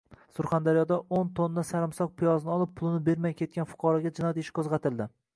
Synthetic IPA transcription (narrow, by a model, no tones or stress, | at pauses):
sʊɾχand̪aɾjɒd̪aont̪ʰonːasaɾɪmsɒq̚pʰɪjɒznɪɒlˠɪp̚ːʰʊlˠɪnɪbe̞ɾmajkʲʰe̞t̪̚kʲanfʊ̥qʰɑɾɒɡʲad͡ʒɪnɒt̪ɪʃkʰozʁɑt̪ʰɪlˠd̪ɪ